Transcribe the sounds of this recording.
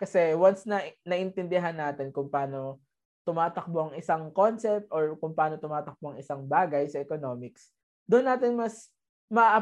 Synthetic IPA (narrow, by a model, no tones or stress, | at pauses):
kɐsɛwɐnsnɐnɐʔɪnt̪ɪnd̪ɪɦanːaːt̪ɪnkʊŋpaːno̞ | t̪ʊmaːt̪ɐk̚boʔɐŋɪsɐŋkonsɛp̚t̪ʔoɹkʊŋpaːno̞t̪ʊmaːt̪ɐk̚boɐŋɪsɐŋbaːɡɐjsɐʔɛkono̞ːmɪks | d̪ʊʔonːaːt̪ɪnmɐs | mɐʔaʔɐ